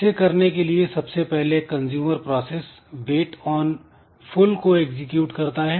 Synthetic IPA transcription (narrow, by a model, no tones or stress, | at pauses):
sekɐɾnekeliesɐbsepɛɦlekɐ̃nzjuːməɾpɾɔːseːs | beːʈɔːn | fʰʊlkoeːkzɪkjuːʈkɐɾt̪aɦɛː